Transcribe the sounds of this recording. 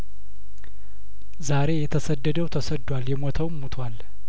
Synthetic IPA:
zaɾe̞jɛt̪ʰəsəd̪ːəd̪əwt̪ʰəsəd̪ːwaljɛmot̪ʰəwmːut̪ʰwal

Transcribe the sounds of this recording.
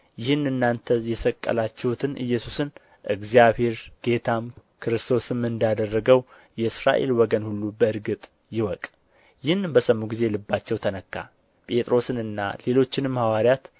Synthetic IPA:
jɪhɨnɨnːant̪ʰəjɛsəkʼːə̰lat͡ʃːɛhut̪ʰɨnʔɨ̰jːɛsusɨn | ʔɨɡzjabhe̞ɾɡ̥e̞t̪ʰamkʰɨɾɨst̪ʰo̞sɨmːɨnd̪ad̪ərːəɡəw | jɛɨsɾa̰ʔe̞̰lwɔɡənhulːubəɨɾɡɨt̪ʼ | jɪwɔkʼ | jɪhɨnɨmbəsəmːuɡize̞lɨbːat͡ʃːɛwt̪ʰənəkːa̰ | pʼe̞t̪ʼɾo̞sɨnɨnːa̰le̞lo̞t͡ʃːɪnɨmːhawaɾijat̪

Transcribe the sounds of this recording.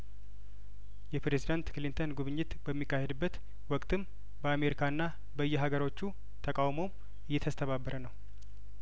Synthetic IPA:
jɛpɾezid̪ant̪kʰɨlint̪ʰənɡuβɨɲːɪt̪bəmːikːahed̪ɨbːət̪ | wɔkʼt̪ʰɨm | bəame̞ɾikʰaɨnːa | bəɨjːɛɦaɡəɾo̞t͡ʃːu | t̪ʰəkʼawmo̞m | ɨjːɛt̪ʰəst̪ʰəβabːəɾʔənəw

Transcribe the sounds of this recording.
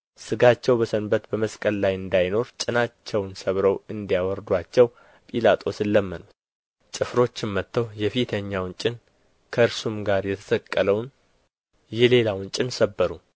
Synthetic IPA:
sɨɡat͡ʃːɛwbəsənbət̪bəməskʼəlːajɨnd̪ajno̞ɾt͡ʃʼɪnat͡ʃːɛwnsəβɾəwɨnd̪ijawɔɾd̪wat͡ʃːɛw | pʼilat̪ʼʰo̞sɨlːəmːənut̪ | t͡ʃʼɨfɾo̞t͡ʃːɪmmət̪ːəwjɛfit̪ʰəɲːawnt͡ʃʼɪn | kʰəɨɾsumɡaɾjɛt̪ʰə̥səkʼːələwn | jɛle̞lawnt͡ʃʼɪnsəbːəɾu

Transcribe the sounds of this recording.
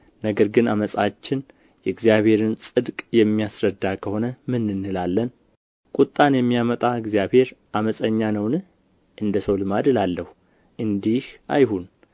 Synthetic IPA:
nəɡəɾɡɨnaməsʼat͡ʃːɪn | jɛɡzijaβhe̞ɾɨnsʼɨd̪kʼjɛmːijasɾəd̪ːakʰəho̞nəmɨnːɨnːɨlalːən | kʼut̪ʼːanjɛmːijamət̪ʼaɨɡzijaβhe̞ɾʔaməsʼəɲːanəwnɨh | ʔɨnd̪əsəwlɨmad̪ɨlalːəhu | ʔɨnd̪iha̰jhun

